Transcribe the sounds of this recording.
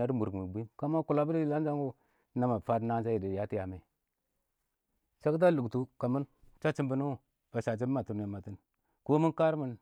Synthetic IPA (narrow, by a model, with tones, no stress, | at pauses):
a˦ɾmu˨ɾmi˨bi˦mka˦ma˦ku˨la˦bu˦ɾla˦nd͡ʒa˦ŋɡu˦ | na˦ma˨fa˦tna˦d͡ʒa˦ji˨di˨ja˦ti˦ja˨ma˨ | t͡ʃa˦kt̬a˦lu˨ɡtu˨ka˨mu˦nt͡ʃa˦t͡ʃi˦mbə˦nu˦˨ | a˨ʃa˨t͡ʃi˦ma˨tu˨ne˨ma˨ti˦n | ko˦mi˦ka˦ɾmə˨n